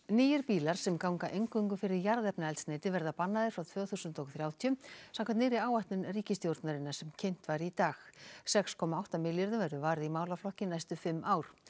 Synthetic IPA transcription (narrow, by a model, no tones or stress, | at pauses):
niːjɪɾpiːlaɾ̥sɛmkawŋkaʔejŋkʏŋkʏfɪɾɪɾjaɾðɛpnaɛlt̪sneːjt̪ɪvɛɾðapanːaðɪɾ̥fɾawt̪ʰvœːθuːsʏnt̪ɔkθɾjaːwt̪ʰjʏsãmkʰant̪ɪːɾɪaːwaht̪nʏnriːcɪst̪jowɾt̪naɾɪnːasɛmcʰejn̥t̪vaɾit̪aːxsɛkskʰɔːmaawht̪amɪljɪɾðʏvɛɾðʏvaːɾɪðimaːwlaflɔhcɪnajst̪ʏfɪmːʔaːwɾ̥